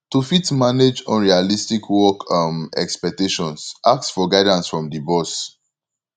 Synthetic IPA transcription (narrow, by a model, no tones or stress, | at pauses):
tufitmaned͡ʒɔ̃nɹialistikwɔkʰamɛ̰kspɛk̚teʃɔ̃nsʔak̚tsfɔɡaɪdãnsfɹɔ̃mdibɔs